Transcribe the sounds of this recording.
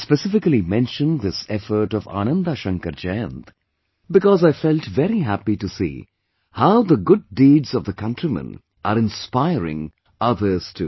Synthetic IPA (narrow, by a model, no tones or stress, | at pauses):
spɛsɪfɪklimɛ̃nʃə̃nðɪsɛfə˞ʈɔva̰ñə̃nd̪aʃʌ̃ŋkəɾd͡ʒɛ̃nt̪ | bɨkɔzaɪfɛlˠtvɛɾiɦæpiʈusḭ | haʊðəɡʊdːiːdz̥ʌvðəkʰʌ̃ntɹimə̰̃n | ʔəɾɪ̃nspaɪɹɪ̰̃ŋ | ʌðə˞z̥tʰu